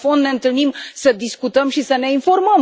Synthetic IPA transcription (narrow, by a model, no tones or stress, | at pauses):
fond̪neɨnt̪ɨlnimsəd̪iskut̪əmʃisəneĩfoɾməm